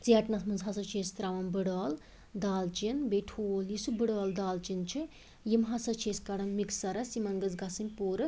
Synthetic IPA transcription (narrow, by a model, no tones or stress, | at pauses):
t͡siɐʈnɐsmɨnzɦɐsɐt͡ʃʰeːst̪ɾaʋɐnbɨɽaːl | d̪aːlt͡ʃinbeʈʰoːljisubɨɽaːld̪aːlt͡ʃint͡ʃʰɨ | jimɦɐsɐt͡ʃʰeːskɐɽɐnmiksɐɾɐsimɐŋɡɐzɡɐsɐmʲpoːɾɨ